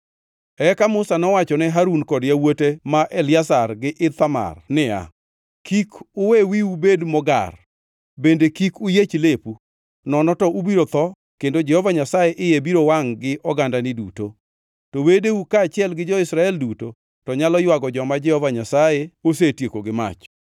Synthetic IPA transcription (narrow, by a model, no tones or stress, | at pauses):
ɛkamʊsanɔwat͡ʃɔnɛɦaɾunkɔdjawotemaʔelɪasarɡɪʔɪt̪ama̰rnɪa̰ | kikʊwewiubedmɔɡa̰r | bendekikʊjet͡ʃlepu | nɔnɔtɔʔubiɾot̪ɔ | kendod͡ʒɛhɔvaɲasajeʔɪjebiɾowaŋɡɪʔɔɡandanɪdṵto | towedeukaːt͡ʃɪɛlɡɪd͡ʒɔɪsɾaɛlduto | tɔɲalɔjwaɡɔd͡ʒɔmad͡ʒɛhɔvaɲasajeos̬etjekoɡɪma̰t͡ʃ